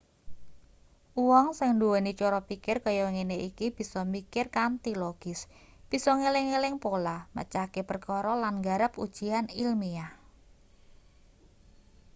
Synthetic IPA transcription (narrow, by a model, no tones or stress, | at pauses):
ʔuwɔŋsɪŋnduwonit͡ʃɔɾɔpikɪrkɔjɔŋeneʔikib̥i̤sɔmikɪrkant̪iloɡ̥ɪs | b̥i̤sɔŋelɪŋːelɪŋpolamə̰t͡ʃakepərkɔɾɔlanɡaɾəpud̥ʒ̥i̤anilmia